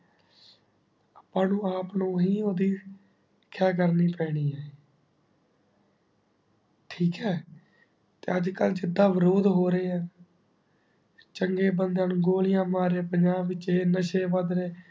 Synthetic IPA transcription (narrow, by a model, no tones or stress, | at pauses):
əpãːnũːaːpnũːɦiːoːd̪iː | kʰaːk̬əɾniːpɛːɽ̃iːɛː | ʈʰiːkɛː | t̪eːəd͡ʒkəld͡ʒɪd̪ːãːʋɪɾoːd̪ɦoːɾəeːãː | t͡ʃəŋɡeːbənd̪ənɡoːlɪjãːmaːɾeːpəɲd͡ʒaːbɪt͡ʃeːnəʃeːʋəd̪ɾeː